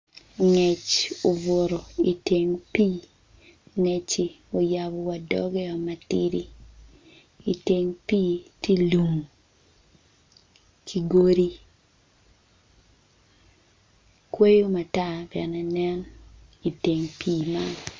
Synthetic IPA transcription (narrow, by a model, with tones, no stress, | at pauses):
ŋɛ˨t͡ʃo˨vo˨ɾo˨i˨te˨ŋpiː˦ | ŋɛ˨t͡ʃi˨ | o˨ja˨bɔ˨wa˨dɔ̰˦ɡɛ˦ɔ˨ma˨ti˦ɾi˦ | i˨te˨ŋpi˦ti˦lu˨ŋ | kʰi˨ɡo˦ɾi˦ | kwe˦jo˦ma˨ta˦˨bɛ̰˨nɛ˨nɛ˦n | i˨te˨ŋpʰiː˦ma˦n